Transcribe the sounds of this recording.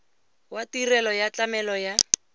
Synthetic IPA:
watirɛlɔjat͡ɬamɛlɔja

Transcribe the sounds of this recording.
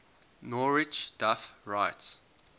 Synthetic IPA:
nɔɹɪt͡ʃd̥afɹaɪts

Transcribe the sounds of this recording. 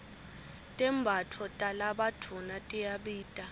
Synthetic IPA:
tʼɛmbʱatʰɔtʼalaɓatʰunatʼijaɓiːtʼa

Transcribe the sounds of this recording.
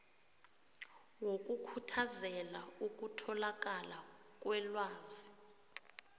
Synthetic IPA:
wok̬ʼukʰutʰazɛlauk̬ʼutʰɔlak̬ʼala | k̬ʼwɛlwaːzi

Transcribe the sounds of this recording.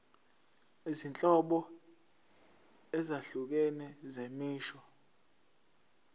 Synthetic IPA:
izint͡ɬʼɔɓɔ | ɛzaɬuk̬ɛnɛzemiːʃɔ

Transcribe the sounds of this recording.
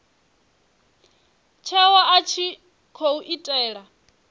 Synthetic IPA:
t͡ʃʰɛwaʔat͡ʃʰi | kʰouʔitʼɛːɺa

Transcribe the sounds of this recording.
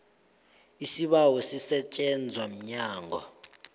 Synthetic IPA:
isiɓawɔsisɛt͡ʃʼɛnd͡zʱwam̩ɲaːŋʱɔ̰

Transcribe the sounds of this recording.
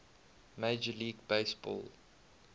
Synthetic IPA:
meɪd͡ʒəliːɡbeɪsbɔ̰ːlˠ

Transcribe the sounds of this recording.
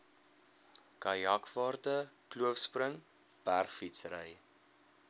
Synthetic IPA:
kɐjɑkvɑːrtəkluəfsprəŋ | b̥ærχfitsəɾə̰j

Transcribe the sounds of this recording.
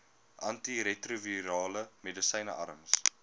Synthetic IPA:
ʔɐntiɾetruviɾɑːləmedəsɐjnə̰ʔɐ̰ɾəms

